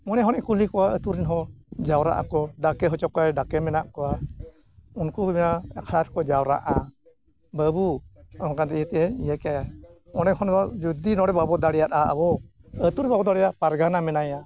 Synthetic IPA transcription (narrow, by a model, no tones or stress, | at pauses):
mɔnɛɦɔnɛʔkulikɔwaət̪uɾinɦɔd͡ʒawɾa̰ʔa̰kɔɖakɛɦɔt͡ʃɔkajɖakɛmɛnaʔkɔwa | unkubmɛnaɛkʰɾaɾkɔd͡ʒawɾa̰ʔa | bəbuɔŋkand̪ɛɛt̪ɛɛɲiɛkaja | ɔnɛhɔnbɔd͡ʒud̪inɔɽɛbabɔd̪aɽɛjat̪aa̰bɔət̪uɾbabɔd̪aɽɛjaʔpaɾɡanamɛnaja